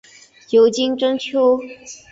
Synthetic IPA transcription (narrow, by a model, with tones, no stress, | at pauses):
jo˨˧˥ʊt͡ɕi˥ŋʈ͡ʂɤ˥ŋt͡ɕʰjo˥ʊ